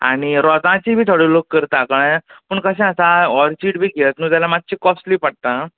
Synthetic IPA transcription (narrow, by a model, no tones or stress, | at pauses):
a̰ɽ̃iɾɔt̪ãt͡ɕibʱiːt̪ʰoɽeːlokːəɾt̪ãkəɽẽpəɳkəsɛ̃asaɔɾt͡ɕiːʈbʱiːɡelət̪nũːt̪jalamat̪̚ːt͡ɕikɔsʈliːpaɽ̚t̪ã